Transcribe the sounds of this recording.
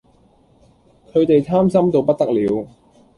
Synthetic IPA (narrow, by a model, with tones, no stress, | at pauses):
kʰɵ˨˧ɥt̪e˨jt̪ʰaː˥msɐ˥mt̪o˨˧wpɐ˥t̪̚t̪ɐ˥k̚liː˨˧w